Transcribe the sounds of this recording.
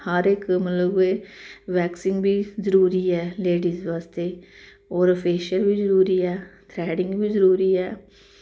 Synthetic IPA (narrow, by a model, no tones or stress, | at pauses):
həɾɪkmət̪ləbeːʋɛːksɪ̃ŋɡbiːzəɾuːɾiːɛːleːɖiːzʋaːst̪eː | oːɾəpʰeːʃəlbiːzəɾuːɾiːɛːt̪ʰɾɛːɖɪ̃ŋɡbiːzəɾuːɾiːɛː